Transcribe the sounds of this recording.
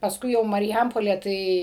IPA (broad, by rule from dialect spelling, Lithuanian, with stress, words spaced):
pɐsˈkʊɪ jɛʊ mɐrʲˈjɛmpoːlʲeː ˈtɐɪ